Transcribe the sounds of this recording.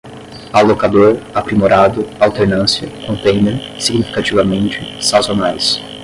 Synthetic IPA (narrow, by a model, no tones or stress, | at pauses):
alokad̪oɾapɾimoɾad̪ʊawt̪eɾnɐ̃siɐkõnt̪ẽj̃neɾsiɡnifi̥kat͡ʃivɐmẽnt͡ʃɪsazonajs